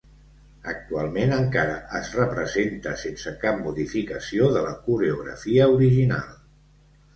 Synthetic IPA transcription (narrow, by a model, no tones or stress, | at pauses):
ə̰k̚t̪ualˠmenəŋkaɾəʔːzrəpɾəzent̪əsensəkap̚muðifikəsioðələkuɾəuɣɾə̰fiəuɾiʒina̰lˠ